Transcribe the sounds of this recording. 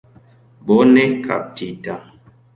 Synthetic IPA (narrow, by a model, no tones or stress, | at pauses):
bonɛkʰa̰p̚tidaŋ